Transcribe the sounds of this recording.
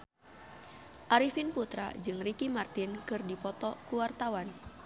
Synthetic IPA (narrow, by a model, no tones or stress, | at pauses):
ʔaɾifinput̪ɾa̰d͡ʒɨŋrikimart̪inkɨrdipɔt̪ɔkuwart̪awan